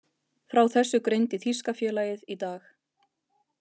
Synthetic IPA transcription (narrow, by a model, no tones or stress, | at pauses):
fɾawθɛsːʏkɾejnt̪ɪθiskafjɛːlajɪðit̪aːx